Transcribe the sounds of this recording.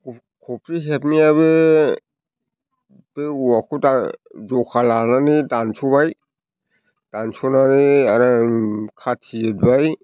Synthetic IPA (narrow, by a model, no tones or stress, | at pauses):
kʰɔpʰɾiɦep̚mijaβe | b̥euakʰudazɔkʰalananidansʰuβaj | d̥ansʰɔnaniaɾakʰatʰiet̚baj